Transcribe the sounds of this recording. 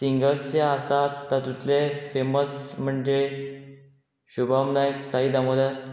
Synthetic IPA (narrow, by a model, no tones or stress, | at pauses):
siŋɡəseasat̪ːat̪ut̪lefeməsm̤əɳd͡ʑe | ɕubʱamnajksaid̪amod̪aɾ